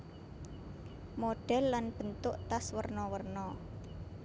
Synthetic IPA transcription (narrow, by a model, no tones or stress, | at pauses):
moɖ̥ɛ̤lːanb̥ə̤nt̪ʊʔt̪aswərnɔwərnɔ